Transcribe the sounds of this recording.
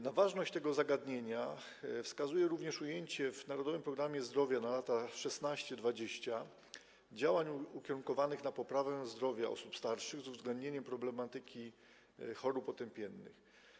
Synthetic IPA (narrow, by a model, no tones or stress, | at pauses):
navaʐnɔɕt͡ɕt̪ɛɡɔzaɡad̪ɲeɲa | fskazujɛɾuvɲɛʂujeɲt͡ɕɛvnaɾɔd̪ɔvɘmpɾɔɡɾamʲjɛzd̪ɾɔvʲjanalat̪aʂɛsnaɕt͡ɕɛd̪vad͡ʑeɕt͡ɕa | d͡ʑawaɲukʲɛɾuŋkɔvanɘxnapɔpɾavɛ̃zd̪ɾɔvʲjaɔ̰supst̪aɾʂɘɣzuvzɡlɛnd̪̚ɲeɲɛmpɾɔblɛmat̪ɘkʲi | xɔɾupɔt̪ɛmpʲjɛnːɘ̰x